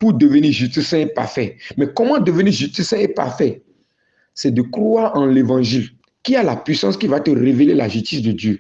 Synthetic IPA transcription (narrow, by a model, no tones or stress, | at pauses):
pud̪əvəniʒyst̪əsɛ̃epa̰ʁfɛmɛkɔmɑ̃d̪əvəniʒyst̪əsɛ̃epa̰ʁfɛ | sɛd̪əkrwaɑ̃levɑ̃ʒil | kialapɥisɑ̃skivat̪əʁevelelaʒyst̪isd̪əd̪jø